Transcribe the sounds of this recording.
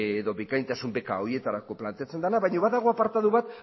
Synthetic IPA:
eðo̞βikajnt̪asumbe̞ka̰oɾie̞t̪aɾako̞plant̪eat͡se̞nd̪anaβajɲoβaðaɣ̞o̞apaɾt̪aðuβat̪

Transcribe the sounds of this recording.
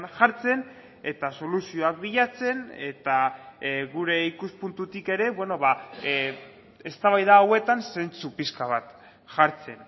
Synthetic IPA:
nʝaɾt͡se̞n | e̞t̪aso̞lusio̞ak̚biʎat͡se̞ne̞t̪a | ɣuɾe̞ikuspunt̪ut̪ike̞ɾe̞βwe̞no̞βa | e̞st̪aβajðaːwe̞t̪anse̞nt͡supiskaβ̞at̪ | ʝaɾt͡se̞n

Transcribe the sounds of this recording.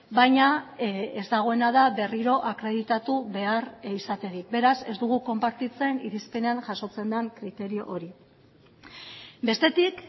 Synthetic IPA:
bajɲaezd̪aɣ̞o̞e̞naðaβe̞riɾo̞ʔakɾe̞ð̞it̪at̪uβe̞arisat̪e̞ɾik̚be̞ɾase̞zd̪uɣ̞uko̞mpaɾt̪it͡seniɾispe̞ne̞aŋʝaso̞t͡se̞nd̪aŋkɾit̪e̞ɾio̞̰ʔoɾi | be̞st̪e̞t̪ik

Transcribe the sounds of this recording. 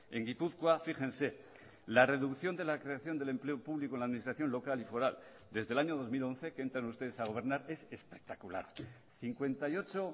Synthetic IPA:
e̞ŋɡipuθkwafixe̞nse̞ | lare̞ðukθjo̞nd̪e̞lakɾe̞aθjo̞nd̪e̞le̞mple̞opuβlikonlaðminist̪ɾaθjo̞nlo̞kalifo̞ɾal | d̪e̞zðe̞laɲo̞ð̞o̞zmilo̞nθe̞keent̪ɾanust̪e̞ð̞esaɣ̞o̞β̞e̞ɾnaɾe̞se̞spe̞k̚t̪akula̰ɾ | θiŋkwe̞nt̪ajo̞t͡ʃo̞

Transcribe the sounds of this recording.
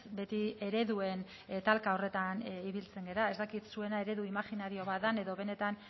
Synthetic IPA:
sbe̞t̪ie̞ɾe̞ðue̞n | t̪alkao̞re̞t̪aniβ̞ilt͡se̞ŋɡe̞ɾae̞zd̪akit̪sue̞nae̞ɾe̞ðuimaxinaɾio̞βat̪ðane̞ðo̞βe̞ne̞t̪an

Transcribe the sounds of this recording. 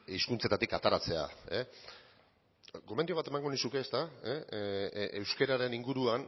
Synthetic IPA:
iskunt͡se̞t̪at̪ikat̪aɾat͡se̞a̰e | ɡo̞mend̪io̞β̞at̪e̞maŋɡo̞nisuke̞ːst̪ae | ewske̞ɾaɾe̞niŋɡuɾuan

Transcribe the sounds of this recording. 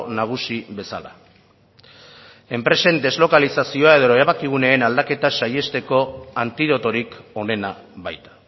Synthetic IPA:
naɣ̞usiβe̞sa̰la̰ | e̞mpɾe̞se̞nd̪e̞zlo̞kalisasio̞ae̞ð̞o̞eɾaβ̞akiɣ̞une̞ːnald̪ake̞t̪asaje̞st̪e̞ko̞ant̪iðo̞t̪o̞ɾiko̞ne̞naβajt̪ḁ

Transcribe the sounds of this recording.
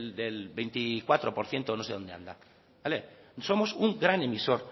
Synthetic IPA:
ld̪elbejnt̪ikwat̪ɾopoɾθje̞nt̪onoseðo̞nd̪ea̰nd̪a | balesomo̞suŋɡɾane̞miso̞ɾ

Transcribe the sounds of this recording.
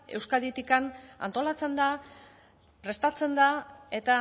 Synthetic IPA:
e̞̰wskaðit̪ikana̰nt̪o̞lat͡se̞nd̪a | pɾe̞st̪at͡se̞nd̪ae̞t̪a

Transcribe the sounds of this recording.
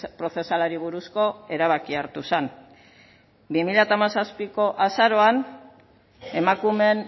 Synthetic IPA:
pɾo̞θe̞salaɾiβ̞uɾusko̞e̞ɾaβ̞akiaɾt̪usen | bimiʎat̪amasaspiko̞ʔasaɾo̞an | e̞makume̞n

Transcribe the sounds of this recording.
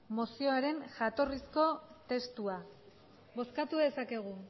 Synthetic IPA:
mo̞sio̞aɾe̞nʝat̪o̞risko̞t̪e̞st̪ua | βo̞skat̪uðe̞sake̞ɣ̞u

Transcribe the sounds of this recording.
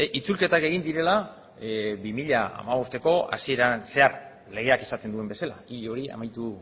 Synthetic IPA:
it͡sulke̞t̪ake̞ɣ̞ind̪iɾe̞la | bimiʎaa̰maβo̞st̪e̞ko̞a̰sie̞ɾanse̞aɾ | le̞ɣ̞e̞akesat̪end̪ue̞mbe̞salaiʎo̞ɾia̰majt̪u

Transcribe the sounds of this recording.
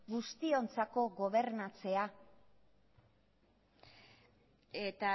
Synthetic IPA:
ɡust̪io̞nt͡sako̞ɣo̞β̞e̞ɾnat͡se̞a | et̪a

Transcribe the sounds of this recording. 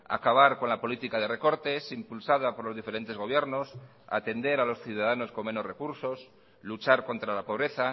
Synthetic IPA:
a̰kaβ̞aɾko̞nlapo̞lit̪ikaðe̞re̞ko̞ɾt̪e̞simpulsaðapo̞ɾlo̞zðifeɾe̞nt̪e̞zɣ̞o̞β̞je̞ɾno̞s | a̰t̪e̞nd̪e̞ɾalo̞sθjuðaðano̞sko̞me̞no̞sre̞kuɾso̞s | lut͡ʃaɾko̞nt̪ɾalapo̞β̞ɾe̞θa

